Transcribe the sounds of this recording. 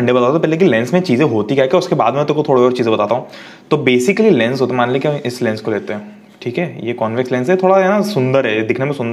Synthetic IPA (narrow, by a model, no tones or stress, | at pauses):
ɐɳɖebɐt̪aːt̪t̪opɛːɦlek̬ilɛ̃ːnsmẽt͡ʃiːzẽɦoːt̪ikaɦkeɔʊskeba̰ːd̪mɛ̃t̪ʊkot̪ʰoːɽeɔːɾt͡ʃiːzẽbɐt̪aːt̪aɦũ | t̪obeːsɪkəlilɛ̃nsɦoːt̪eɦmaːnleekiɪslɛ̃nskoleːt̪eɦɛ̃ː | ʈʰiːkɦɛːjeːkɔːnʋɪkslɛ̃ːnsɦɛt̪ʰoːɽaɦɛnasʊ̃nd̪əɾɦɛd̪ɪkʰnemẽsʊ̃nd̪ə